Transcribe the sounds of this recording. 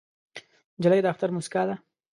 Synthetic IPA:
d͡ʒalajd̪aft̪aɾmʊsɪ̥kɑd̪a

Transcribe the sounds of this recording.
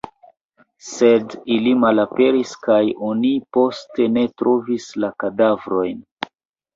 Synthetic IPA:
se̞dilimalape̞ɾiskajonipo̞ste̞ne̞tɾʔo̞vislakadavɾo̞jn

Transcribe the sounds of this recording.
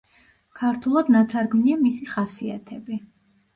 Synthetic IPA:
kʰaɾt̪ʰulˠad̪nat̪ʰaɾɡmniamisiχasia̰t̪ʰɛbi

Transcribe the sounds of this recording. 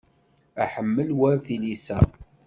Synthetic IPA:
æħəmːəlwæɾθilisæ̰

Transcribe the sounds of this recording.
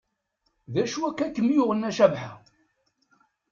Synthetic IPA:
ðæʃuækːækːəmjʊʁənːæʃævħa

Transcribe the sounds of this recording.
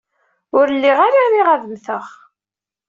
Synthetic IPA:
ʊɾlːiʁaɾiɾiʁæðəmθəʁ

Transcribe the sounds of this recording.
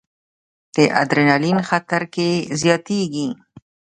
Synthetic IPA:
d̪̥əʔa̰d̪ɾɪnalinxat̪aɾkezjɑt̪eɡi

